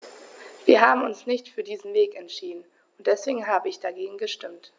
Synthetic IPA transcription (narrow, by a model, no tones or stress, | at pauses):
v̥iːɐɦaːbm̩ʊnsnɪçtfyːɐdiːzn̩veːkɛntʃiːdn̩ | ʊnt̚d̥ɛsv̥eːɡŋ̩ɦaːbəɪçd̥aɡeːɡŋ̩ɡəʃtɪmt